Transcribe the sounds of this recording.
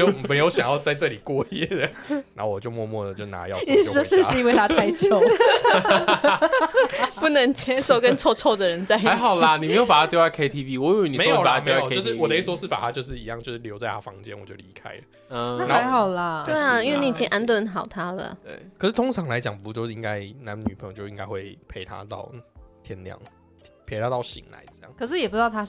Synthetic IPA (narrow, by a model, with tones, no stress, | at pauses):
t͡ɕjo˥˩me˧˥ɪjo˧˥ʊɕjɑ̰˨˩ŋjɑ˥˧ʊt͡sa˥˧ɪʈ͡ʂɤ˥˩li˨˩kwɔ˥˧jɛ˥˩d̪ə˩ | na̰˧˦˥wɔ˨˩t͡ɕjo˥˧ʊmwɔ˥˧mwɔ˥˩ə˩t͡ɕjo˥˩ʊna̰˨˥jɑ̰˥˨˥ʂ̩˥˧i˥we˥˧ɪt̪ʰa˥t̪a˥˧ɪjo˥˦ | pu˥˩nə˧˥ŋt͡ɕʰjɛ˧˥nʂo˨ʊkə˥˦nt͡sʰɔ˥˧t͡sʰɔ˥˧d̪ə˨ɻə˧˦nt͡sa˥˧ɪi˧˦ɪxɑ˨˩ʊlə˨ni˨me˧˥ɪjo˨ʊpa˨˩a˥jo˧˥ʊa˥˩kʰe˥ɪt̪ʰi˥vi˥˧wɔ˧˦jo˨˥y˧˦ni˨m˧˦˥jo˨a˨˩˥jo˥˧ʂɻ̩˥˨wɔ˨˩t̪i˥˩swɔ˥ʂɻ̩˥˩pa̰˨˩a˦t͡ɕjo˥˧ʊʂ̬ɻ̩˥˩i˧˥jɑ˥˧ŋt͡ɕjʂ̩˥˩ljo˧˥ʊt͡sa˥ɪa˥˧fɑ̰˧˥ŋt͡ɕɛ˦nwɔ˨˩t͡ɕjo˥˩ʊli˧˥kʰa̰˥ɪlə˩˥ | na˦˥˧ɪxɑ˨˩ʊlə˨t̪we˥˩ɪ˧a˩i˥nwe˥˩ni˨˩t͡ɕʰi˧˥˧ʔa˧˥nt̪wə˧˥nxɑ˨˩ʊt̪ʰa˥lə̰˨t̪wḛ˥˩kʰʂ̩˥˩t̪ʰo˥ŋt͡sʰɑ˨˥ŋla˧˦ɪt͡ɕjɑ˨˦ŋpu˧˩˧t͡ɕo˥˧ʂ̩˥˧i˧˥ŋka˦˥ɪna˨˦nny˨˩pʰə˧˦jt͡ɕo˥˧ʊi˦ŋɡka˥xwe˥˩ɪpʰe˧˩ɪt̪ʰa̰˦t̪ɑ̰˥˩ʊt̪ʰjɛ˧˥nljɑ̰˨˩˦ŋʰ | pʰe˧˩t̪ʰa˥t̪ɑ˥˩ʊɕḭ˨˦ŋla̰˧˦ɪt͡sə˥˧˩jɑ̰˥˩ŋkʰɤ˩ʂ̬̩˥˨jɛ˨˩pu˧˩˥t̪ʰa˥